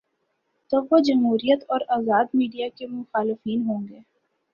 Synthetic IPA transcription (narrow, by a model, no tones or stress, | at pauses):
t̪oʋod͡ʒɐmɦuːɾijət̪ɔːɾaːzaːd̪miːɖijakemʊxaːlɪfiːnɦõːŋɡeː